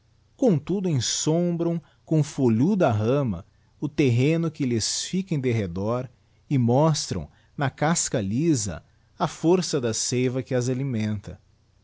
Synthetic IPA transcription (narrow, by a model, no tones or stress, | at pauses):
kõt̪ud̪ʊẽj̃sõbɾɐ̃w̃ | kõfoʎud̪ɐɦɐ̃mɐ̰ | ʊt̪eɦẽnʊkɪlɪsfikẽj̃d̪eɦed̪ɔɾ | ɪmɔst̪ɾɐ̰̃w̃ | nɐkaskɐlizɐ̰ | ɐfoɾsɐd̪ɐsejvɐkɪɐzalimẽnt̪ɐ